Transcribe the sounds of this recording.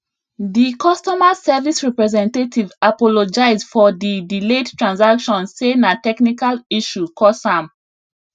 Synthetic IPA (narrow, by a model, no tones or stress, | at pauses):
ðikɔstɔmasɛvisɹɛpɹɛzɛ̃ntatʰivapɔlod͡ʒaɪzfɔdidiledtɹãnsakʃɔ̃nsenatɛknikaliʃukʰɔsãm